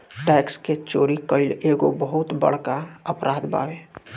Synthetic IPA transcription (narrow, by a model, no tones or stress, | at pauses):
ʈɛːksket͡ʃoːɾikəɪleːɡobəɦʊt̪bə̰ɽ̤kaəpɾʔaːd̪ba̰ːʋeː